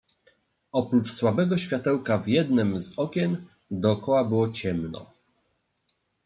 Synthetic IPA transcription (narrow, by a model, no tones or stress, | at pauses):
ɔpɾut͡ʂswabɛɡɔɕfʲjat̪ɛwkavjɛd̪nɘmzɔkʲɛn | d̪ɔːkɔwabɘwɔt͡ɕɛmnɔ̰